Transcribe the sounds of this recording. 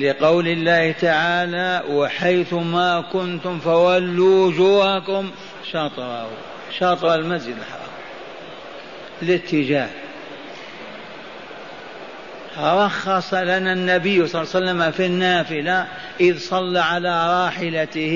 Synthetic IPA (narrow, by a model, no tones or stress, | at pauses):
lɪqɑwlɪlːaːht̪aʕaːlawɪħajθʊmakʊnt̪ʊmfawalːuwʊd͡ʒuːhakʊm | ʃɑːt̪ˤɾˤɑh | ʃɑːt̪ˤɨɾˤalmazd͡ʒɪd̪ɪlħɑ̰ɾˤɑ̰ːɾ | lɪt̪ʰːɪd͡ʒaːh | ɾˤɑxːɑsˤɑlananːabɪjːsˤlːsalːamafinːaːfɪla | ʔɪðsˤɑlːaʕalaɾˤɑːħɪlaɪh